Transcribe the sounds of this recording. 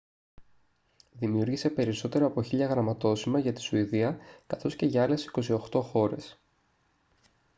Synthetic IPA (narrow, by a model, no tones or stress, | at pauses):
ðimiuɾʝise̞pe̞ɾiso̞t̪e̞ɾoɐpo̞çiʎɐɣɾɐmɐt̪o̞simɐʝɐt̪i̥suiðiɐkɐθo̞sce̞ʝɐɐle̞si̥ko̞sio̞xt̪o̞xo̞ɾe̞̰s